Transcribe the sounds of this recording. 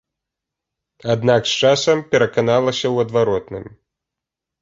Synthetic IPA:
ad̪nakst͡ʂasɐmpʲɛɾɐkanalˠɐsʲɐwɐd̪vaɾɔt̪nɨ̰m

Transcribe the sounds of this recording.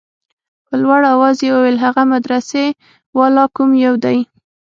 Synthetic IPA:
pəlwaɽawɑzjewəwelɦaɣamad̪ɾase | wɑlɑkumjawd̪aj

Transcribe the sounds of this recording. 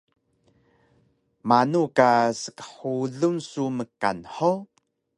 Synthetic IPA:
manukasə̥kə̥ħuɮunsuməka̰nħo

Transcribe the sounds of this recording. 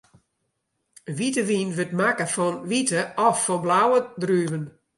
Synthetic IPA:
ʋitəʋinʋətmakəfɔnʋitəɔfːɔblawədryːvən

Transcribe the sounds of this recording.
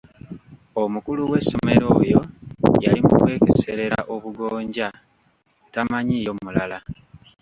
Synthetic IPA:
o̞mukuluwesːo̞me̞ɾo̰ːjo̞jalimukwe̞ːkese̞ɾe̞ɾaʔo̞βuɡo̞ːɲɟa | tamaɲijomulala

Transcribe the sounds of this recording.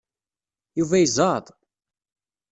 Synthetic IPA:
juvæjzˤɑðˤ

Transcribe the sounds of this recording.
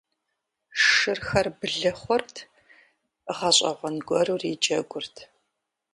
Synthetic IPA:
ʂɨrxɐrbɨɮɐχʷɔrtʰ | ʁɐɕʼɐ̰ʁʷɔnɡʷɔruriːd͡ʒɐɡʷʊrtʰ

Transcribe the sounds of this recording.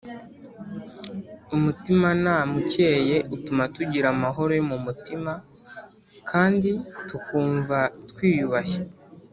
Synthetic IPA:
umutimanamuce̞ːje̞ʔutumatuɟiɾamaɦo̞ɾojomumutima | kʰaːnditukuːɱvatwiːjuβaçḁ

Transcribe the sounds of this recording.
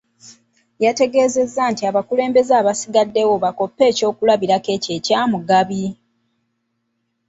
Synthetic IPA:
jate̞ɡe̞ːze̞zːantiaβakule̞ːmbe̞zaːβasiɡadːe̞wo̞βako̞pːe̞ːco̞ːkulaβiɾake̞ːce̞ːcaːmuɡaβi

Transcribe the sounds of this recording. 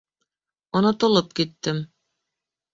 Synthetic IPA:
onot̪ŏlˠɤp̚kit̪ːɘm

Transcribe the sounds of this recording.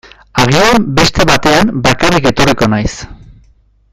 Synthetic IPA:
aɣ̞iambe̞st̪e̞βat̪e̞ambakarike̞t̪o̞riko̞najs

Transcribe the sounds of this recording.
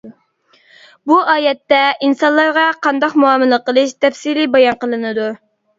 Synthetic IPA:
buʔɑːjɛt̪ːɛinsɑnlˠːɑɾʁɑqʰɑnd̪ɑqmuɑːmɨlˠəqəlˠɨʃt̪ʰɛfsilibɑjɑnqəlˠɨnɨd̪u

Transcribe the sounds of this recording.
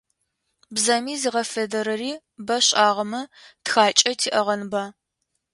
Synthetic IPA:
bzɐmiːziʁɐfedɐɾɐriː | bɐɕʼaːʁɐmɐtxaːt͡ʃʼɐtʰiːʔɐʁɐnbaː

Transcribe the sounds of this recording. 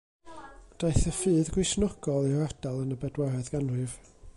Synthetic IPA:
d̥ajθəfɨːðɡwɪʃnɔɡ̥ɔlˠirad̥alˠənəbɛdwɛɾɛðɡ̥anwɨv̥

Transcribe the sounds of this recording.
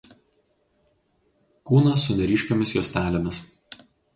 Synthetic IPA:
kuːnɐsːʊnʲɛɾʲiːʃʲkʲomʲɪsjuːsʲt̪ʲæːlʲomʲɪs

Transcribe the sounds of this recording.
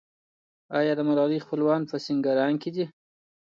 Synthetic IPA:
ɑjɑd̪əmalɑlixpəlwɑnpəsiŋɡaɾɑŋkɪd̪i

